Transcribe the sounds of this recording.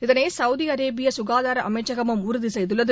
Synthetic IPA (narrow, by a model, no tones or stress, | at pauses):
ɪðɐnesɐwðiɐɾeːbɪjɐsʊɣaːðaːɾɐʔɐmɐɪʈt͡ʃːɐɣɐmɯmʊɾʊðisɛjðɯɭːɐðɯ